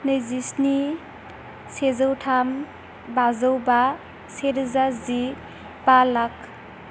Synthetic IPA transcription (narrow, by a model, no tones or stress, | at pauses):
nɯjzisni | sezawtʰam | bazawba | seɾzazi | b̥alak̚